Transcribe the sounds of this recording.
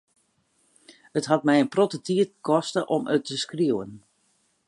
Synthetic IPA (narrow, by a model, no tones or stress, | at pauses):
ətɦat̚mɛjənprotətiətkɔstəʔɔmə̰tʰəskriəwən